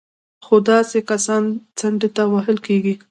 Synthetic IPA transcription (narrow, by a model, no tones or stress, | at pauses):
xod̪ɑsekasɑnt͡saɳɖet̪awaɦɪlkeɡi